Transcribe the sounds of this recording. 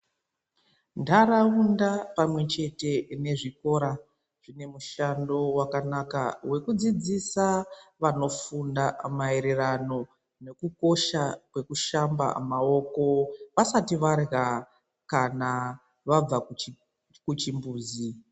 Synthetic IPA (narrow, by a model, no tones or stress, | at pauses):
ndaɾaundapamwe̞t͡ʃe̞te̞ne̞ʐiko̞ɾa | ʐ̥ine̞muʃando̞wakanaka̰we̞kud͡zid͡zisaʋano̞fundamaeɾerano̞ | ne̞kuko̞ʃakwe̞kuʃamba̰mao̞ko̞ʋasatiʋarɣa | kana | ʋab͡va | kut͡ʃimbuːzi